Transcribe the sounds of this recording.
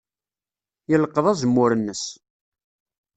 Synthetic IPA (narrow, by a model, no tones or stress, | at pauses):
jələqːəðˤɑzəmːʊɾənːəs